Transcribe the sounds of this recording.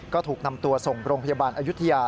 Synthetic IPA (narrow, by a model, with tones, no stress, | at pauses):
kɔː˥˩t̪ʰuː˨˩k̚na˧mt̪u˧ɐso˨˩ŋɾoː˧ŋpʰjaː˧baː˧nʔaː˧ju˥t̪ʰa˧jaː˧